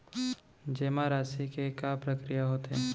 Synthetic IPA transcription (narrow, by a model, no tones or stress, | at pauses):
d͡ʒeːmaɾaːsikekapɾəkɾijaɦoːt̪eɦɛ̃ː